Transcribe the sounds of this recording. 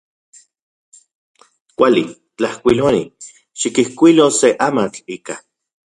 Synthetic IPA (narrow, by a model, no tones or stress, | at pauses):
kʷalḭ | t͡ɬahkʷiloni | ʃikihkʷiloseʔamat͡ɬiːka